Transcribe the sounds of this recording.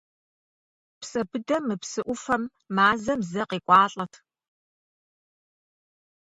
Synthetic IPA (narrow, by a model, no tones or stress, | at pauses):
psʼɐbɨdɐmɨpsɨʔʷʊfɐmː | aːzɐmzɐqiːkʷʼɑːɬʼɐtʰ